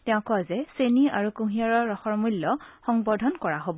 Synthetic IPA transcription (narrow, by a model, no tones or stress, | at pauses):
tɛʊ̃kɔazɛseniaɹukũɦĩaɹɔːɔxɔɹmulːɔxɔŋbɔdʱɔnkɔɹaɦobɔ